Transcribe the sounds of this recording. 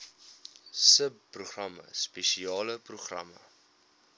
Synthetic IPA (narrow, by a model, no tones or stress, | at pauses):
səp̚ːruχrɐmə̰speʃiɑːləpruχrɐ̰mə̰